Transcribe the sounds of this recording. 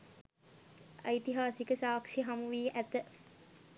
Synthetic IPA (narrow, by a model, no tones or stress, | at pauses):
ə̰jt̪iɦaːsikəsaːkʂiɦamuʋiːʔæt̪ə